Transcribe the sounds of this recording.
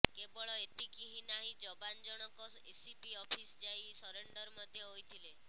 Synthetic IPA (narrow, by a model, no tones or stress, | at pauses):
kebɔɭɔet̪ikiɦĩnaɦĩd͡ʒɔband͡ʒɔɽ̃ɔkɔesipiɔpʰisd͡ʒajsɔɾeɳɖɔɾmɔd̪ʱjɔɦojt̪ʰile